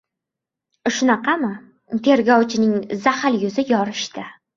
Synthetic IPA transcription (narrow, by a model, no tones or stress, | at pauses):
ʃʊnɑqʰɑmɪ | t̪ʰe̞ɾɡʲɒwt͡ʃʰɪnɪŋzahaljʊzɪjɒɾɪʃt̪ʰɪ